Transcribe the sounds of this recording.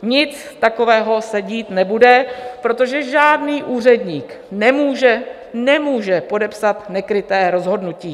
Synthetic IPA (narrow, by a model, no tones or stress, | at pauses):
ɲɪt͡s | t̪ako̞vɛːɦo̞sɛɟiːt̪nɛbudɛpɾo̞t̪o̞ʒɛʒaːdniːʔuːr̝ɛdɲiːk | nɛmuːʒɛ | nɛmuːʒɛpo̞dɛpsat̪nɛkɾɪt̪ɛːɾo̞zɦo̞dnuciː